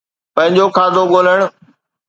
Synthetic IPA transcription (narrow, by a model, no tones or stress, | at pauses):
pɐ̃ɦɪ̃ɲd͡ʑokʰaːd̪oɠoːləɽ̃